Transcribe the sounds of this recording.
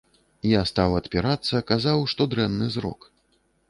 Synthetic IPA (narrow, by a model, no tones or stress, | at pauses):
jast̪awɐt̪pʲiɾat̪sːɐkazawʂt̪ɔd̪ɾɛnːɨzɾɔ̰k